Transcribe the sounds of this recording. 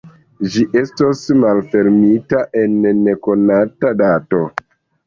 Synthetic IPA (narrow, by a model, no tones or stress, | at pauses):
ʒiʔe̞stosmalfe̞lmitaʔe̞nːeko̞natadato̞